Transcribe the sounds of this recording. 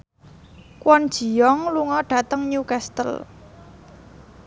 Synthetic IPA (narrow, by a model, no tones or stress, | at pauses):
kwɔnd̥ʒ̥i̤jɔŋluŋɔɖ̥ä̤t̪əŋɲukast̪ə̰l